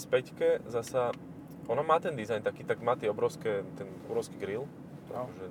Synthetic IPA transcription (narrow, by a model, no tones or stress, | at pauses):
spɛckɛzasa | ʔɔnamaːt̪ɛnd̪izajnt̪akiːt̪aɡmaːt̪ɪɛɔbɾɔʊskɛt̪ɛnɔbɾɔʊskiɡɾil | a̰kkɔʒɛ